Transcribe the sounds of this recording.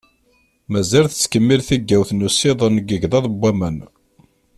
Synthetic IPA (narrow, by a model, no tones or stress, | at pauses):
mæzælθət͡sːkəmːilθiɡːæwθnusiðˤənɡəʝðˤɑðˤəbːæmən